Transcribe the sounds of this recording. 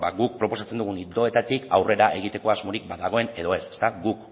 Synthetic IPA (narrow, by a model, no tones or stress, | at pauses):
baɣuk̚pɾo̞po̞sat͡se̞nd̪uɣunid̪o̞e̞t̪at̪ikawre̞ɾaʔe̞ɣ̞it̪e̞ko̞azmo̞ɾik̚baðaɣ̞o̞e̞ne̞ðo̞e̞se̥st̪aɡuk